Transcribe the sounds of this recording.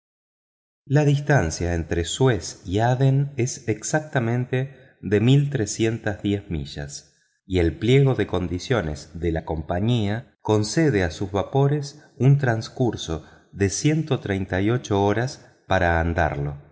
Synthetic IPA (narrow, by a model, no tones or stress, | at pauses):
laðist̪ansjaent̪ɾeswesiaðene̞seksak̚t̪amẽnt̪e̞ | ðe̞milt̪ɾesje̞nt̪azðje̞zmḭʒ̥a̰s | ie̞lplje̞ɣo̞ðe̞ko̞nd̪isjo̞ne̞zðelako̞mpaɲiako̞nseð̞easuzβapo̞ɾe̞s | unt̪ɾanskuɾso̞ | ðe̞sje̞nt̪o̞t̪ɾejnt̪ajo̞t͡ʃo̞oɾas | paɾaːnd̪a̰ɾlo̞̰